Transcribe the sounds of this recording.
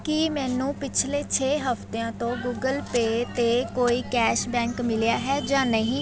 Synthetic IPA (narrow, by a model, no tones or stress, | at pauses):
kimɛ̃ːnũːpɪt͡ʃʰleːt͡ʃʰeːɦəpt̪eãːt̪õːɡuːɡəlpeːt̪eːkoːiːkɛːʃbɛ̃ːŋkmɪlejaːɦɛːd͡ʒãːnəɦĩː